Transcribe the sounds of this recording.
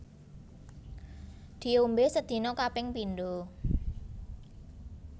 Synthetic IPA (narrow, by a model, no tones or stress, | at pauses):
d̪̥i̤ombesəd̪̥i̤nɔkapɪŋpinɖo